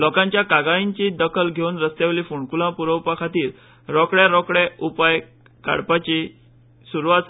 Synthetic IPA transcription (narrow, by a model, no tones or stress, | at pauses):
lɔkãɲt͡ɕjakaɡaiɲt͡ɕid̪əkʰəlɡʱeunɾəst̪jaʋlifuɳkulãpuɾəwpakʰat̪iːɾ | ɾɔkɽjaɾɔkɽɛupaj | ka̰ɽpat͡ɕi | suɾuʋat̪s